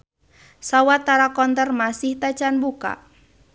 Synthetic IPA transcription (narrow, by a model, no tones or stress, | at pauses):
sawat̪aɾakɔnt̪ərmasɪht̪at͡ʃanbuka̰ʔ